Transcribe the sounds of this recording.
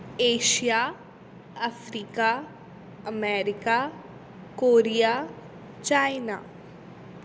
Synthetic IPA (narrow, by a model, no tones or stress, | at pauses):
eːʃija | ɐfɾiːka | ɐmɛːɾɪka | koːɾija | t͡ʃaːɪna̰ː